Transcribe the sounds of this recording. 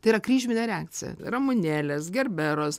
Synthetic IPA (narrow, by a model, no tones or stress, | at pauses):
t̪ɐiːɾɐkrʲiːʒʲmʲɪnʲɛɾʲɛæːkt͡sʲɪ̰jɛ̰rɐmʊnʲæːlʲɛsɡʲɛrʲbʲɛɾoːs